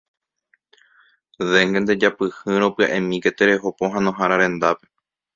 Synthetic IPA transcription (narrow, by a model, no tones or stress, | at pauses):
ðe̞ŋɡend̪e̞d͡ʒapɨhɨ̃ɾõ̞pɨa̰ʔẽmĩke̞t̪eɾe̞ɦo̞poɦãnõ̞ɦaɾaɾẽ̞nd̪ape̞̥